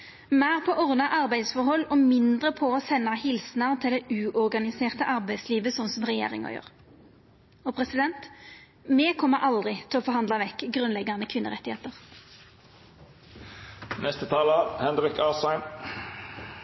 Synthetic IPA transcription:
mæːʁpʰɔːʔɔʁnɑʔɑʁbæɪsfɔʁhɔlːoːmɪnd̪ʁəpʰɔoːsɛnːɑhɪlsnɑʁt̪ʰɪld̪ɛʔʉːʔɔʁɡɑnɪseːʁt̪əʔɑʁbæɪd̪sliːʋəsɔnsɔmʁɛjḛːʁɪ̰ŋɑ̰jø̰ːʁ | ɔpʰʁɛsɪd̪ɛnt̪ | mɛkʰɔmːəɾʔɑld̪ʁɪt̪ʰɪlɔːfɔʁhɑnd̪lɑʋɛkːɡʁʉnlɛɡːɑnəkʰʋɪnːə̰ʁɛt̪ɪhḛːt̪əʁ | nɛst̪ət̪ʰɑːləhɛnʁɪkɑːsæɪn

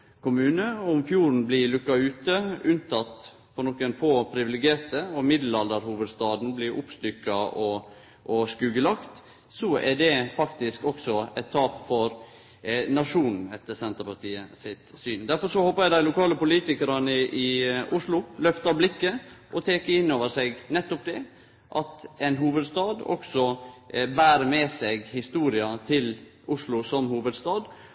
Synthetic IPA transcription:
kʊmʉːnəʊmfjuːɾn̩blɪlʉkːɑʉːt̪əʉnt̪ɑt̪ | fɔɾnɔkːənfoːpʰɾɪʋɪlɪɡeːɾt̪əɔmɪd̪l̩ɑld̪əɾhuːʋəd̪st̪ɑːd̪n̩blɪɾʔʊpst̪ʏkːɑɔ | ʔɔskʉːɡəlɑkt̪ | sɔɛɖ̪ɛfɑkt̪ɪskɔksɔɛt̪ʰːɑːpfɔɾ | nɑʂuːnn̩ɛt̪ːəɾsɛnt̪əɾpɑʈiːəsɪt̪syːnd̪æɾfɔɾʂɔhoːpːəjæɪd̪æɪlʊkʰɑːləpʊliːt̪ɪkəɾɑnəʔɪʔʊʂlʊlœft̪ɑɾblɪkːəʔɔt̪ʰeːkəɾɪnːoːʋəɾsɛɡnɛt̪ːɔp̚d̪ɛ | ʔɑt̪ɛnɦuːʋəd̪st̪ɑːd̪ɔ̰ksɔbæːɾəmɛsɛɡhɪst̪uːɾɪɑt̪ʰɪl | ʊʂlʊsɔmhuːʋəd̪st̪ɑːd̪

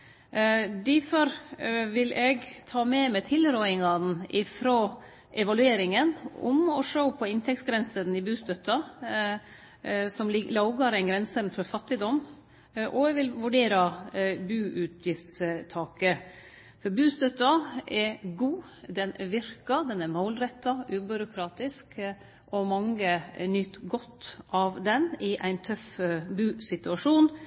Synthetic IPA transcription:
d̪ɪfɔɾʋɪlɛɡt̪ʰɑːmɛmɛt̪ʰɪlɾɔʏɪŋɑnʔɪfɾoː | ʔɛʋɑlʉeːɾɪŋənʊ̰mɔʂoʊpʰɔɪnt̪ʰɛk̚t̪sɡɾɛnsənɪbʉːst̪œt̪ːɑ | sɔmlɪlɑʊɡɑɾɛɪnɡɾɛnsənfɔɾfɑt̪ːɪd̪ɔm | ʔɔɛʋɪlʋʉɖeːɾɑbʉːʔʉt̪ʰjɪft̪st̪ʰɑːkə | fɔɾbʉːst̪œt̪ːɑɛɾɡuːd̪ɛnɛɾʋɪɾkɑd̪ɛnæɾmoʊlɾɛt̪ːɑʉːbʏɾʊkʰɾɑːt̪ɪsk | ʔɔmɑŋːənyt̪ːɡɔt̪ːʔɑʋd̪ɛnɪʔæɪnt̪ʰœfbʉːsɪt̪ʉɑʂuːn

